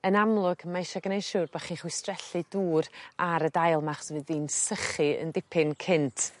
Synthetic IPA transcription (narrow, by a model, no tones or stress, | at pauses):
ənamlˠʊɡ̥maɪʃaɡənejʃuːrbaχiːnχwɪstrɛɬɨduːɾaɾədajlˠmaχsvɨðiːnsəχɨə̰ndɪpʰɪnkʰɪntʰ